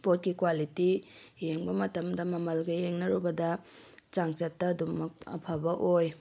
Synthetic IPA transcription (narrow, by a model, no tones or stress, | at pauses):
pot̚kikwalitijeŋbɐmɐtɐmdɐmɐmɐlɡɐjeŋnɐɾubɐdɐt͡ʃaŋt͡ʃɐtːɐdumɐk̚ɐ̰pʰabɐʔoj